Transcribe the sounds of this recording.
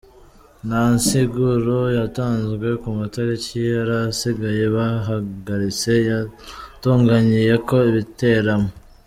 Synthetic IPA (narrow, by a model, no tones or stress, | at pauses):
nansiɡuɾojataːnzɡwe̞kumataɾiciaɾasiɡaje̞βaɦaɡaɾit͡se̞ | tuːŋɡaɲije̞ko̞iβite̞ɾamo